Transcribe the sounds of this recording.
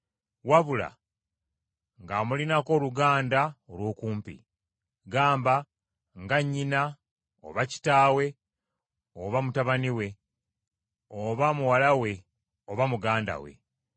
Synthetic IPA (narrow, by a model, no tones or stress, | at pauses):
waβula̰ | ŋɡamulinako̞ːluɡaːndaolwo̞ːkuːmpḭ | ɡaːmba | ŋɡaɲːina | o̰βaci̥taːwe̞ | oβamutaβaniwe̞ | oβamuwalawe̞ | oβamuɡaːnda̰we̞̰